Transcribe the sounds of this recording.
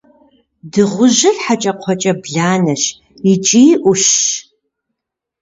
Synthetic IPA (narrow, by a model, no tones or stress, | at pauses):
dɨʁʷʊʒɨɮħat͡ʃʼɐqʷʰɔt͡ʃʼɐbɮaːnɐʃ | it͡ʃʼiːʔʷʊʃː